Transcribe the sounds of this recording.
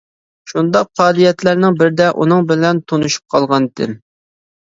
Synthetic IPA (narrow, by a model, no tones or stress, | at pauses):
ʃund̪ɑqʰːɑːlijɛt̪læɾnɪŋbɪɾd̪ɛʔṵnɨŋbɪlɛnt̪ʰonuʃu̥p̚qʰɑlˠʁɑnd̪ɪ̰